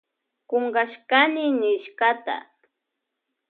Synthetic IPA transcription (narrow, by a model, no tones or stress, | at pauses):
koŋɡaʃkanɪnɪʃkat̪a̰